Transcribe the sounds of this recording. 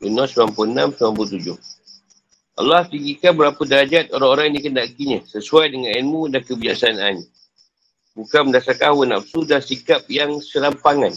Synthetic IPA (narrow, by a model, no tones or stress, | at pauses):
ənasəmampuənamsəmamput̪ud͡ʒʊh | ʔa̰lːaht̪iŋɡikanbəɾapədəad͡ʒat̪̚oɾaŋoɾaŋnikəndaʔkiɲəsəsuajdəŋanɛnmudakəbid͡ʒa̰ʔsaana̰ɲə | bukanməndasakawəna̰psudasikap̚jaŋsəɾampaŋan